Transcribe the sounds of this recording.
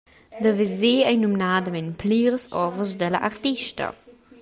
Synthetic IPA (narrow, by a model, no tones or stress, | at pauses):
dəvizeːɛnumnaːdəmɛnpʰliːʁsɔvəsdɛlɐʔaʁtiʃtɐ̰